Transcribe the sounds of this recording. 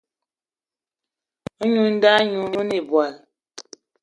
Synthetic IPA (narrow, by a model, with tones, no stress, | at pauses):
ɔ˦ɲu˨n̩˦da˦ɲu˨˦ne˨bwa˨l